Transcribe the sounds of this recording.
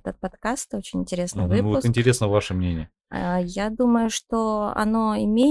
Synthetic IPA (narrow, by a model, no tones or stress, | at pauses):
ɛt̪ət̪̚pɐt̪kast̪o̞t͡ɕɪnʲɪnʲtʲɪɾʲe̞snɨjvɨvpʊɪnʲtʲɪɾʲe̞snəvaʂɨmnʲenʲɪjə | ajad̪uməjʊʂt̪o̞ɐ̰no̞ɪmʲe